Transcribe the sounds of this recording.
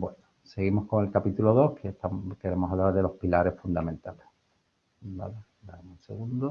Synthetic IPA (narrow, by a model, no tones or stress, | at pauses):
bwe̞no | se̞ɣ̞imo̞hko̞ŋe̞lkapit̪uloð̞o̞hkʰeht̪amke̞ɾe̞mosaβlaɾðelo̞hpilaɾe̞sfund̪amẽ̞nt̪ale | da̰la | d̪aemunseɣund̪o